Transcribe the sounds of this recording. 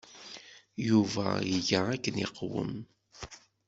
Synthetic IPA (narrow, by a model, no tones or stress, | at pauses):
juvæ̰iʝaækːənḭqwə̰m